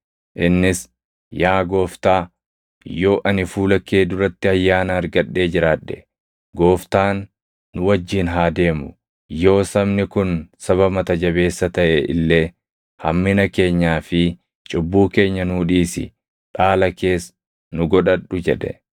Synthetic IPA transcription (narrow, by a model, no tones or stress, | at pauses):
ʔɪnːɪs | jaːɡo̞ːft̪aː | jo̞ːʔɐnɪfuːlɐkːeːd̪ʊɾɐt̪ːɪɐjːaːnɐːɾɡɐɗːe̞ːd͡ʒɪɾaːᶑːɛ | ɡo̞ːft̪aːnː | ʊwɐd͡ʒːiːnɦaːd̪e̞ːmʊ | jo̞ːsɐbnɪkʊnsɐβɐmɐt̪ɐd͡ʒɐβe̞ːsːɐt̪ɐʔɛʔɪ̰lːe̞ː | hɐmːɪnɐke̞ːɲːaːfɪ | t͡ʃʼʊbːuːke̞ːɲːɐnuːᶑiːsɪ̰ | ᶑaːlɐke̞ːs | nʊɡɔᶑɐɗːʊd͡ʒɛᶑɛ̰